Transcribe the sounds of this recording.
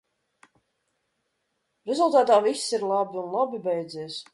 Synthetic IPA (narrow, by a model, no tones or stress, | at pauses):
ɾɛzulˠt̪aːt̪aːvisʲsiɾlˠabʲiunlˠabʲibɛjd̪ziːs